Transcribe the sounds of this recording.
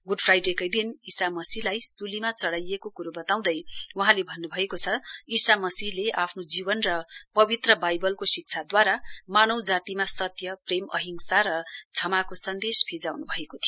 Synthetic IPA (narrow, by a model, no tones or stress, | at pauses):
ɡuɖpʰrajɖekʌjd̪inisamʌsilajsulimat͡sʌɽajekokuɾobʌt̪aw̃d̪ʌjwuɦãlebʱʌnːubʱʌekot͡sʰʌisamʌsiɦleʔapʰnod͡zibʌnrʌpʌbit̪rʌbajbʌlkosik̚t͡sʰad̪waɾamanʌwd͡zat̪imasʌt̪jʌpremʌ̰ɦiŋsaɾʌt͡sʰʌmakosʌnd̪espʰid͡zawnubʱʌekot̪ʰijo